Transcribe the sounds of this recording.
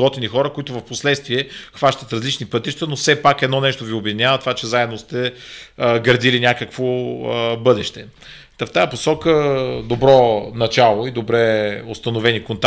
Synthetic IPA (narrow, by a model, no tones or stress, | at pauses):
ɔt̪inixɔɾəkoit̪ʊvɐfposlɛt̪st̪viɛxvaʃt̪ət̪ɾɐzlit͡ʃnipɤt̪iʃt̪ənofsɛpakɛd̪nɔnɛʃt̪oviobʲɛd̪inʲjavət̪ovat͡ʃɛzaɛd̪nost̪ɛ | ɡɾd̪ilinʲakəkvo | bɤd̪ɛʃt̪ɛ | t̪aft̪ajəposɔkəd̪obɾɔnɐt͡ʃalˠoid̪obɾɛost̪ɐnovɛnikont̪